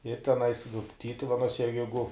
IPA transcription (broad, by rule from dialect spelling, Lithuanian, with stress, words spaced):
ɪr tʲɛˈnɐɪs ʋʲɪ ˈtʲiːtʊʋʲɛnuɔsʲɛ jɛ ˈjɛɪɡʊ